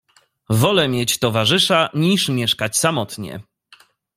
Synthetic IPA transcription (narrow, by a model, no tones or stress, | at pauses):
vɔlɛmʲjɛt͡ɕt̪ɔvaʐɘʂaɲiʂmʲjɛʂkat͡ɕsamɔt̪ɲɛ̰